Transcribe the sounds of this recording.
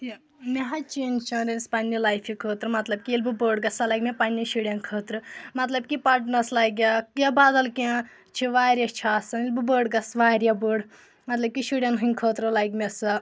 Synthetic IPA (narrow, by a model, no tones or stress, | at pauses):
meɦɐt͡ʃeːnt͡ʃʰɐ̃ɾenspɐnʲːilajfʰikʰəːt̪ɾɨmɐt̪lɐb̚kiilbɨbəːɖɡɐsɐlɐjkmʲepɐnʲːiʃiɽʲɐnkʰəːt̪ɾɨmɐt̪lɐb̚kipɐʈnɐslɐɡʲjaabaːd̪ɐlkẽ | t͡ʃʰiʋaːɾjɐt͡ʃʰaːsɐnilʲbɨbəːɖɡɐsʋaːɾʲjɐbəːɽ | mɐt̪lɐb̚kʲiʃiɽʲɐnɦɨnʲkʰəːt̪ɾɨlɐjkmesɐ